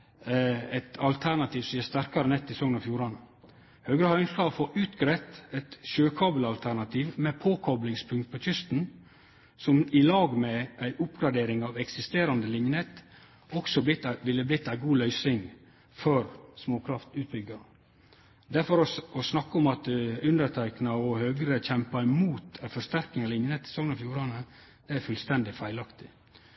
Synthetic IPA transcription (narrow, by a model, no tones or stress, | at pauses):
ɛɪt̪ɑlt̪ʰænɑt̪ʰiːʋsɔjəst̪æɾkɑɾənɛt̪ːɪsɔŋːənɑfjuːɾɑn | høːɡɾəhœʏnskɑfɔʉːt̪ɡɾɛt̪ɛt̪ʃøːkʰɑːbəlɑlt̪ʰæɾɳɑt̪ʰiːʋmɛpʰoːkʰɔblɪŋspʰʉŋt̪̚pʰɔːc͡çʏst̪n̩ | sɔmɪlɑːɡmɛʔæɪʔʊpɡɾɑd̪eːɾɪŋɑːʋɛksɪst̪eːɾɑnd̪əlɪɲjənɛt̪ | ɔksɔb̪ɪt̪ːʋɪlːəblɪt̪ːæɪɡuːlœʏsɪŋ | fɔɾsmoːkʰɾɑft̪ʉːt̪̚bʏɡɑ | d̪æɾfɔɾɔɔsnɑkːəɔmɑt̪ʉnd̪əɾt̪ʰæɪknɑɔhøːɡəɾəc͡çɛmpɑɪmuːt̪fɔʂt̪æɾkɪŋɑʋlɪnjənɛt̪ʰːɪ̥sɔŋnɑfjuːɾɑnə | æɾfʉlst̪ɛnd̪ɪfæɪlɑkt̪ɪ̥